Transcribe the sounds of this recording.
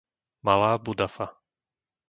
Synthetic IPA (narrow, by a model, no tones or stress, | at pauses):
malaːbud̪afa